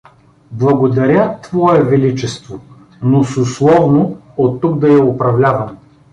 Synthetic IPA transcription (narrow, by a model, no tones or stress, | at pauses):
blˠɐɡod̪ɐɾʲət̪vɔɛvɛlit͡ʃɛst̪vo | nosʊslˠɔvno | ot̪ːuk̚d̪ɐjɐʊpɾɐvlʲavɐm